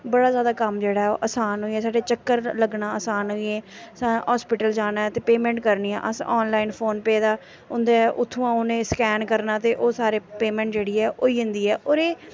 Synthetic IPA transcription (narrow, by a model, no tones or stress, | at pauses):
bəɽaːzjaːd̪aːkəmd͡ʒeːɽaːɦɛoːʔəsaːnɦoːiːɛːsaːɖeːt͡ʃəkːəɾləɡnaːəːsaːnɦoːieːsaɦɔːspɪʈəld͡ʒaːnaːɛt̪eːpeːmɛ̃ːɳʈkəɾniːɛ̰̃ːʔəsɔːnlaːinpʰoːnpɛːd̪aː | ʊnd̪eɛʔʊt̪ʰːũːãːʊnẽːskɛːnkəɾnaːt̪eːʔoːsaːɾeːpeːmɛ̃ːɳʈd͡ʒeːɽiːɛːʔoːiːɦʊnd̪iːɛːʔoːɾeː